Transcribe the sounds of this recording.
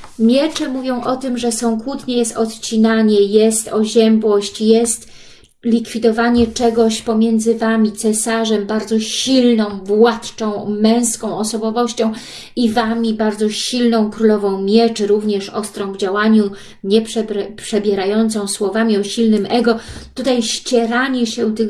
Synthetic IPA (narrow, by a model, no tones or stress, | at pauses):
mʲjɛt͡ʂɛmuvʲjɔ̃w̃ʔɔt̪ɘmʐɛsɔ̃w̃kwut̪ɲɛjɛst̪ɔt̪t͡ɕinaɲɛjɛst̪ɔʑɛmbwɔɕt͡ɕjɛst̪ | lʲikfʲid̪ɔvaɲɛt͡ʂɛɡɔɕpɔmʲjɛnd̪zɘvamʲit̪sɛsaʐɛmbaɾd̪zɔɕilnɔ̃w̃bwat̪t͡ʂɔ̃w̃mɛ̃w̃skɔ̃w̃ɔsɔbɔvɔɕt͡ɕɔ̃w̃ | ivamʲibaɾd̪zɔɕilnɔ̃w̃kɾulɔvɔ̃w̃mʲjɛt͡ʂɘɾuvɲɛʂɔst̪ɾɔ̃w̃vd͡ʑawaɲu | ɲɛpʂɛpʂɛbʲjɛɾajɔnt̪sɔ̃w̃swɔvamʲiɔɕilnɘmɛɡɔt̪ut̪ajɕt͡ɕɛɾaɲɛɕɛt̪ɘ